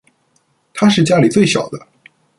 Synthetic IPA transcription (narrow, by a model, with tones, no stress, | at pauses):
t̪ʰa˥ʂ̬ɻ̩˥˩t͡ɕja˥li˨˩t͡swe˥˩ɪɕjɑ̰˨˩ʊd̪ə˦